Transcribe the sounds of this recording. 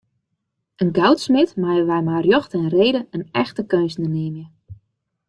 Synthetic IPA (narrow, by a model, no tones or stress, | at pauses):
ənɡawtsmɪtmajəʋɛjmarjɔxtɛnreːdəənɛxtəkønsnəneːmjə